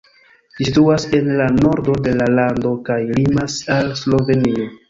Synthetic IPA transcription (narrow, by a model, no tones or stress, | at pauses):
sisituase̞nlano̞ɾdo̞de̞lalando̞kajlimasalslo̞ve̞nio̞